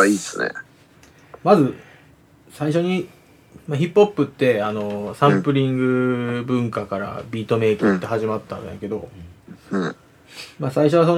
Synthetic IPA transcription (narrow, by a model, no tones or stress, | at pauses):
aiːesɨnḛ | mazɨ | saiɕo̞ɲ̟i | maçipːo̞pːɯ̟t̪ːe̞ano̞sãmpɯ̟ɾʲĩŋɡɯ̟bɯ̟̃ŋkakaɾa̰bʲiːt̪o̞me̞ːkɯt̪ːe̞ɦaʑimat̪ːã̰nɯ̰̃jã̰ke̞d̪õ̞ | masaiɕo̞βas̬on